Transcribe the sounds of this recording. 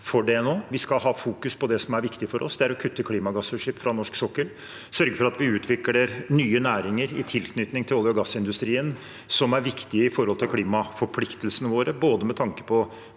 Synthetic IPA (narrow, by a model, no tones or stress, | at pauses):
fɔɖɛɛnoːʋɪskɑlɦɑːfuːkʉspʰɔd̪ɛsɔmæɾʋɪkt̪ɪfɔɾʔɔ̰sd̪ɛæɾɔkʰʉt̪ʰːəkʰliːmɑɡɑsʉʂɪpfɾɑnɔʂksɔkːəl | sœɾɡəfɔɾɑt̪ʋɪʉːt̪ʰʋɪkləɾnyːənæːɾɪŋəɾɪ̰t̪ʰɪlkʰnʏt̪nɪŋt̪ʰɪlɔljɔɡɑsːɪnd̪ʉst̪ɾiːən | sɔmæɾʋɪkt̪ɪəɪfɔɾhɔlt̪ɪlkʰliːmɑfɔɾpʰlɪkt̪əlsənəʋoːɾəboːd̪əmɛt̪ʰɑŋkə̥pʰɔ